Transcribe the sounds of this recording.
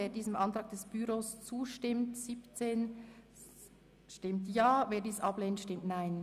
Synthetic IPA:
eːdiːzəmʔɑntʁɑːɡ̚d̥ɛsb̥yɾoːst͡suːʃtɪmtsipt͡seːn | ʃtɪmtjaːveːdiːsʔɑbleːnətʃtɪmtnaɪn

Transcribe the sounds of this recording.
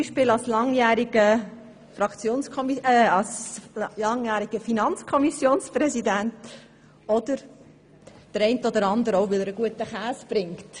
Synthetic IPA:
t͡siʃpɪːlɑlslɑŋjæːɾiɡə | fɾɑkt͡sjoːnskʰɔmiɛɑlslɑŋjæːɾiɡ̥əfinɑnt͡skʰɔmisjoːnspɾɛsidænt | ɔd̪̥əɾ | d̥əɾɛɪntəɔd̪əɾɑnd̪əɾɔʊʋɪləɾəɡuətəχæːsb̥ɾɪŋkt

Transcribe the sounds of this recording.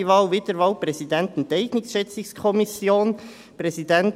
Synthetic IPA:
ʋɑːlʋɪdəɾʋɑːlpɾɛsidɛntn̩tɛɪɡnɪksʃɛt͡sɪskʰɔmɪsjoːn | pɾɛsidɛnt

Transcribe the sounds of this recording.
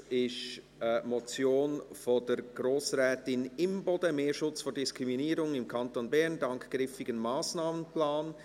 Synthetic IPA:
ɪʃ | mɔt͡sjoːnfod̥ɛɾɡ̥ɾoːsrɛːtɪnɪmbɔdəmeːɾʃʊt͡sfoːd̥ɪskɾiminiːɾʊŋɪmkʰɑntonbɛɾndɑŋkɡ̥ɾɪfɪɡənmaːsnaːmənplaːn

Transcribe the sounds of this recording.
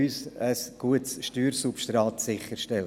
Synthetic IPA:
ysəsɡ̥uətsʃtyːɾsupʃtɾɑːt̪sɪχəɾʃtɛl

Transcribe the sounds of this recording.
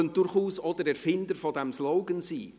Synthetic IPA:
ənd̥ʊɾχuːsɔdəɾɛɾfɪndəɾfɔdɛmslɔʊɡənsiː

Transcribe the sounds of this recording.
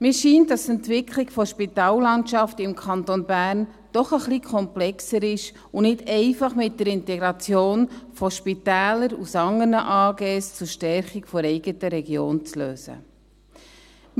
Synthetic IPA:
mɪːʃiːndɑsɛntʋɪkʰlɪɡ̥fɔʃpitɑːlːɑntʃɑftɪmkʰɑntonbæːrn | d̥ɔχəχlikʰɔmplɛksəɾɪʃ | ʊnɪdɛɪfɑχmɪt̚d̥əɾɪntɛɡɾɑt͡sjoːnfɔʃpitæːləɾusɑŋənəʔɑːɡeːst͡sʊɾʃtɛrχɪkfɔɾɛɪɡətəɾɛɡjo̰ːnt͡sløːsə̰

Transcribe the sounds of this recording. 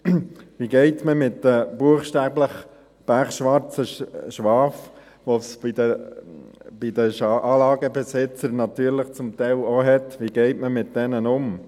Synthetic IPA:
ʋiɡɛɪtməmɪtdəb̥uəχʃtæːbləχ | b̥æɾχʃʋɑɾt͡səʃʋɑːf | ʋosidə | b̥idəʃʔɑːlɑːɡəbəsɪt͡səɾnɑt̪yːɾləχt͡sʊmtɛɪloɦɛtʋiɡ̥ɛɪtməmɪt̚d̥ɛnənʊm

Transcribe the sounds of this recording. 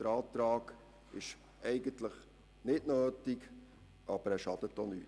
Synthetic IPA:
d̥əɾɑːtɾɑːɡ | ɪʃ | ʔɛɪɡəntləχ | nɪtnøːtik | ʔɑb̥əɾæːʃɑd̥̪ətːonyːt

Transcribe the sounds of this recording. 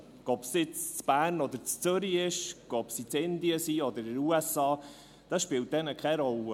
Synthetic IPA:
ɔpsɪt͡st͡sb̥æːɾnɔd̪əɾt͡st͡sʏɾiɪʃɡ̥ɔpsit͡sɪnd̪iəsiːɔd̪əɾɪɾuɛsɑː | d̪̥ɑsʃpɪlt̚dɛnəkʰɛɾɔl

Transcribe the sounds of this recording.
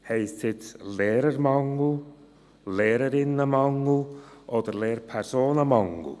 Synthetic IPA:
heɪsthɪtleːɾəɾmɑŋl̩ | leːɾəɾɪnəmɑŋl̩ʔodəɾleːɾpʰɛɾsoːnəmɑŋɡṵ

